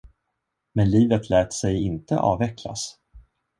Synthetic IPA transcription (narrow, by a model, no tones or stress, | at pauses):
mɛnliːvət̪ʰlɛːt̪sɛjɪnt̪ə̰ʔɑ̰ːvɛkla̰s